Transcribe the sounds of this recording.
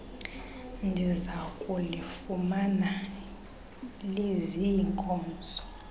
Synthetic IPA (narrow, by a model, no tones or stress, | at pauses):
ndʱizakʼulifumana | leziːŋkʼɔːnd͡zʱɔ